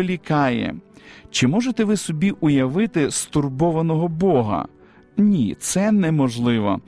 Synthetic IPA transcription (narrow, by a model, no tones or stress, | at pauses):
lʲikɑjɛ̰t͡ʃɪmɔʒet̪ɛʋɪsɔbʲiʔʊjɐʋɪt̪ɪst̪ʊrbɔʋɐnɔɦɔbɔɦɐ̰ | nʲit̪sɛnɛmɔʒlˠɪʋɔ̰